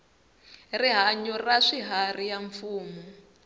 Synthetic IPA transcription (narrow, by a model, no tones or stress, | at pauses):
riɦaɲɔraʂiɦarijaɱfuːmɔ